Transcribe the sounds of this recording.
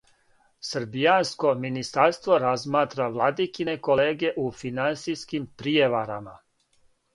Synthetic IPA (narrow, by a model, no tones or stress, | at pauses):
sr̩bijansko̞minist̪aɾst̪ʋoɾazmaːt̪ɾaʋlˠad̪ikinekoleːɡeʔufinant̪sijskimpɾijeʋaɾama